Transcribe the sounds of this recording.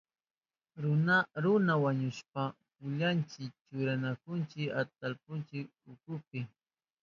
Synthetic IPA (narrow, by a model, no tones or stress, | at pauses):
ɾʊnaɾʊnawaɲʊspa | pʊʎant͡ʃɪkt͡ʃʊɾanakʊnt͡ʃɪkat̪alpʊnt͡ʃɪk̚ʊkʊpɪ